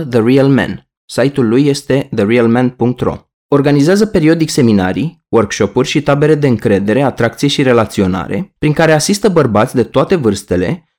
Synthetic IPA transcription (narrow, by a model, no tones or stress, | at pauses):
ðəriəlmḛn | sajt̪ulːujːe̞st̪e̞ðəriəlmenpuŋk̚t̪ro̞̰ | o̞rɡanizeazəpe̞ɾio̞d̪ikse̞mina̰ɾi | wərkʃo̞purʲʃit̪abe̞ɾe̞d̪e̞ɨŋkɾe̞d̪e̞ɾe̞at̪ɾak̚t̪sije̞ʃiɾe̞lat̪sio̞na̰ɾe̞̰pɾiŋkaɾe̞asist̪əbərbat̪sʲd̪e̞t̪oat̪e̞vɨrst̪ele̞̰